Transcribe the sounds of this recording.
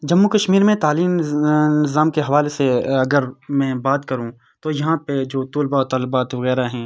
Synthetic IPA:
d͡ʒɐmːukɐʃmiːɾmẽt̪aːliːmnɪzaːmkeɦɐʋaːleseɐɡəɾmɛ̃ːbaːt̪kɐɾũ | t̪ojɐɦãped͡ʒoːt̪ʊːlbaɔt̪ɔːlbaːt̪ʋɐɣɛːɾaɦɛ̃ː

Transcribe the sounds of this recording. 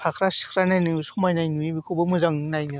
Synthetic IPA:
pʰakʰɾasɯ̥kʰɾanajnɯsumajnajnuibikʰɯbɯmɯzaŋnajnɯ

